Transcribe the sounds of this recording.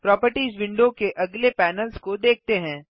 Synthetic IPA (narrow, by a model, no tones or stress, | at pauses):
pɾɔːpəɾʈiːzʋɪ̃ɳɖokeʔɐɡlepɛːnəlskod̪eːk̚ʰt̪eɦɛ̃ː